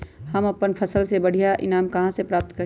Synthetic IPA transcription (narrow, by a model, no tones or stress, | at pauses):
hɐmɐpənpʰɐsəlsebɐɽ̤ʱijaʔɪ̰naːmkɐɦãsepɾaːp̚t̪kəɾ